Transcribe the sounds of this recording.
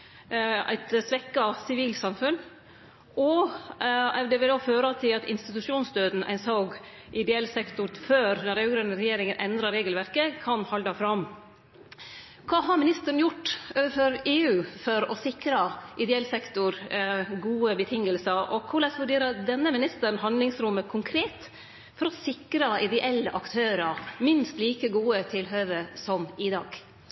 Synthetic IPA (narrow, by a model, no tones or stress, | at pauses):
æ̰ɪt̪sʋɛkːɑsɪʋiːlsɑmfʉn | ɔ | ɛd̪ɛʋɪd̪oːføːɾɑt̪ʰɪlɑt̪ɪ̰nst̪ɪt̪ʉʂuːnsd̪øːd̪n̩ʔæ̰ɪnsɔːɡ | ʔɪd̪ɛɛlsɛkt̪ʊɾføːɾnɔɾɑɡɾœnːəɾɛjeːɾɪŋənʔɛnd̪ɾɑɾeːɡəlʋæɾkəkʰɑnhɔld̪ɑfɾɑm | kʰɑːɦɑɾmɪnɪst̪əɾəɳəjʊʈːʔøːʋəføɾeːʉːfɔɾɔsɪkɾɑʔɪd̪ɛɛlsɛkt̪ʊɾɡuːəbət̪ʰɪŋəlsəɾʔɔkʰʊlɛsʋʉɖeːɾəd̪ɛnːəmɪnɪst̪əɾnhɑnlɪŋsɾʊmːəkʰʊŋkʰɾeːt̪ | fɔɾɔsɪkɾɑɪd̪ɛʔɛlːəʔɑkt̪ʰøːɾəɾmɪnst̪liːkəɡuːət̪ʰɪlɦøːʋəsɔmɪd̪ɑ̰ːɡ